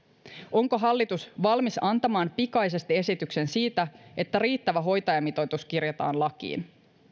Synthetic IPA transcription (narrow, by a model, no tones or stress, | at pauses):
o̞ŋko̞ɦɑlːit̪usʋɑlmisɑnt̪ɑmɑːmpikɑjs̬e̞st̪ie̞sit̪ykse̞nsiːt̪æʔe̞t̪ːæɾiːt̪ːæʋæɦo̞jt̪ɑjɑmit̪o̞t̪uskirjot̪ɑ̰ːnlɑk̟ḭːn